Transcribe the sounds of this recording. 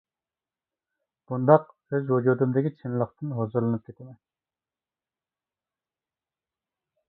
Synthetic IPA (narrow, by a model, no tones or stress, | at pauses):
b̥und̪ɑq̚ | øzwod͡ʒod̪ɨmd̪ɪkʲʰit͡ʃʰinlˠəχt̪ɨnɦozuɾlˠɨnɨp̚kʲʰet̪ʰɛmɛn